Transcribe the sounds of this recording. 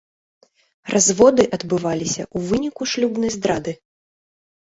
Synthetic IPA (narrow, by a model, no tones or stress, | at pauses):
rʔazvɔd̪ɨʔɐd̪bɨvalʲisʲɐ̰ʔuvɨnʲikuʂlʲubnɐjzd̪ɾad̪ɨ